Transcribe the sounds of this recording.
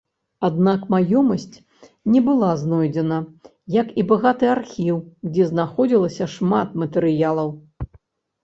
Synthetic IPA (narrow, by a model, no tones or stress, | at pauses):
ad̪̚nakmajɔmɐsʲt͡sʲ | nʲɛbɨlˠaznɔjd͡zʲɛnɐ | jɐkibaɣat̪ɨarxʲiwd͡zʲɛznaxɔd͡zʲilˠɐsʲɐʂmat̪mɐt̪ɛɾɨjalˠɐw